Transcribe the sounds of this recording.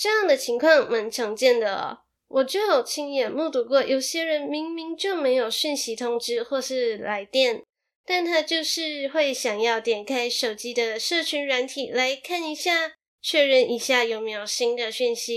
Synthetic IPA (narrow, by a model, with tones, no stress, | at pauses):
ʈ͡ʂɤ˥˧jɑ˥˩ŋd̪ə˩t͡ɕʰi˧˥ŋkʰwɑ˥˩ŋma˧˥nʈ͡ʂʰɤ˧˥ŋt͡ɕjɛ˥˩nd̪ə̰˩˨˩ | wʔɔ˨˩t͡ɕɛ˥˩xo˨˩ʊt͡ɕʰi˧˥ŋjɛ˨˩mu˥˧˩t̪u˧kwɔ˥˩jʔo˨˩ʊɕjɛ˥ɻə˧˥nmi˧˥ŋmi˧˥ŋt͡ɕjo˥˩ʊme˧˥ɪjo˨˩ʊɕy˥˩nɕi˧˥t̪ʰʊ˧˥ŋʈ͡ʂɻ̩˥xwɔ˥˧ʂɻ̩˥˩la˧˥ɪt̪jɛ˥˩n | t̪a˥˩nt̪ʰa˥t͡ɕjo˥˧ʊʂɻ̩˥˧xwe˥˩ɪɕjɑ˨˩ŋjɑ˥˩ʊt̪jɛ˨˩nkʰa˥ɪʂo˨˩ʊt͡ɕi˥d̪ə˧ʂɤ˥˩t͡ɕʰy˧˥nɻa˧˥nt̪ʰi˨˩la˧˥ɪkʰa˥˩ni˧˥ɕja˥˩ | t͡ɕʰɥɛ˥˧ɻə˧nʔi˨˩ɕja˥˩jo˨˩ʊme˧˥jo˨˩ɕi˥ŋd̪ə˨ɕy˥˩nɕi˧˦˥